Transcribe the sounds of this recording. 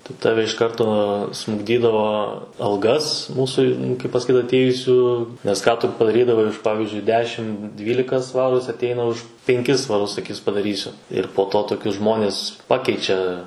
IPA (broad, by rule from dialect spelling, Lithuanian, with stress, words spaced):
tɐɪ ˈtɑːʋʲɛ ɪʃ ˈkɐrtoː smʊɡˈdʲiːdɐʋoː ɐlˠˈɡɐs ˈmuːsʊ kɐɪp pɐsɐˈkʲiːt ɐtʲˈeːjʊsʲuː nʲɛs ˈkɑː tʊ pɐdɐˈrʲiːdɐʋɐɪ ʊʃ ˈpɑːʋʲɪzʲd͡ʒʲʊɪ ˈdʲæːʃʲɪm ˈdʲʋʲiːlʲɪkɐ ˈsʋɑːruː ˈjɪs ɐtʲˈɛɪnɐ ʊʃ pʲɛŋʲˈkʲɪs sʋɐˈrʊs sɐˈkʲiːs pɐdɐˈrʲiːsʲʊ ɪr poː ˈtoː toːˈkʲʊs ˈʒmoːnʲɪs ˈpɑːkʲɛɪt͡ʃʲɛ